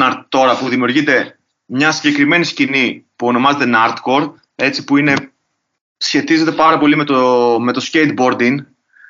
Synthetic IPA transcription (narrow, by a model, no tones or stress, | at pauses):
nɐɾt̪t̪ːo̞ɾɐpuðimiuɾʝid̪e̞ | mɲɐsiɲɟe̞kɾime̞niscinipuo̞no̞mɐze̞t̪enɐɾt̪ko̞ɾ | e̞t͡si̥puine̞ | sçe̞t̪ize̞t̪̬e̞pɐɾɐpo̞lime̞t̪ome̞t̪o̞scejt̪̚bo̞ɾd̪iŋ